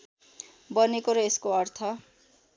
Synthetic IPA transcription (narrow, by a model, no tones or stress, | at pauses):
bʌnekoɾʌeskoʌrt̪ʰʌ